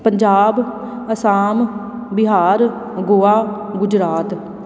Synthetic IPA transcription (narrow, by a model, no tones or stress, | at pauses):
pəɲd͡ʒaːb | əsaːm | bɪɦaːɾ | ɡoːaː | ɡʊd͡ʒɾaːt̪